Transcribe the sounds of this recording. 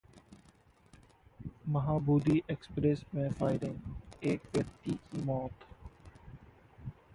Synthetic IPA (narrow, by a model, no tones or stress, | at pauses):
mɐɦaːbuːd̪iːʔeːkspɾeːsmẽfaːɪɾɪ̃ŋeːk̚ʋeɾt̪iːkimɔːt̪